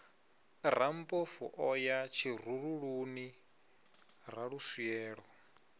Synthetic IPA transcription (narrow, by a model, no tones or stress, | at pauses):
r̤ampʼɔfṵʔɔjat͡ʃʰir̤uɺuɺuni | ɾaɺusiɛːɺɔ